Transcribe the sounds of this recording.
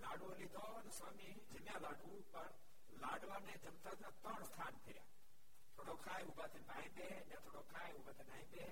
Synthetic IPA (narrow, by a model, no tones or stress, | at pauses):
laːɖuɐlit̪ʰɔːnɐsaːmi | d͡ʒɐmjãlaːɖuːpɐɾ | laːɖʋaːnẽːd͡ʒɐmt̪ʰat̪ʰãt̪ə̃ːɽst̪ʰaːnpʰeja̰ː | t̪ʰoːɽokʰaːeubat̪ʰebaːĩmbeːɲãːt̪ʰoːɽokʰaːeubaːt̪ʰenaːĩmbeː